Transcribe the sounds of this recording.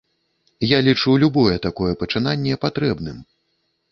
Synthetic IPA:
jalʲit͡ʂulʲubɔjɛt̪akɔjɛpɐt͡ʂɨnanʲːɛpat̪ɾɛbnɨm

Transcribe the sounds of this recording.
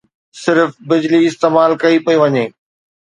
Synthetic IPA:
sɪɾfbɪd͡ʑliɪst̪eːmaːlkɐipɐiʋɐɲeː

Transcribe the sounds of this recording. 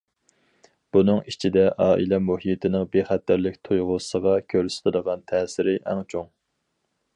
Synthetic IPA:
b̥unɨŋit͡ʃʰid̪ɛʔɑːʔḭlɛmuɦit̪ʰɪnɪŋbeχæt̪ʰːæɾlɪkʲt̪ʰujʁʊsəʁɑkʲʰøɾsɪ̥t̪ʰɪd̪əʁɑnt̪ʰɛːsɪɾɪʔæ̰ŋt͡ʃʰoŋ

